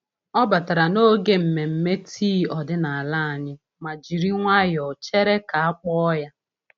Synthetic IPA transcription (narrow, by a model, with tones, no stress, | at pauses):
ɔ˦ba˨ta˨ɾa˨no˦ɡe˦m̩˨me˨m̩˨me˦tʰiː˦ɔ˨dɪ˦na˨a˨la˦a˨ɲɪ˦ | ma˨d͡ʒi˨ɾi˦ŋʷa˦jɔ˨t͡ʃe˦ɾe˦ka˨a˦k͡pɔ˦ɔ˦ja˦